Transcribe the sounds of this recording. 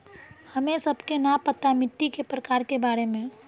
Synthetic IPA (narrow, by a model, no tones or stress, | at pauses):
həmẽsəbkenapət̪amɪt̪ːikepɾəkaːɾkebaːɾemẽ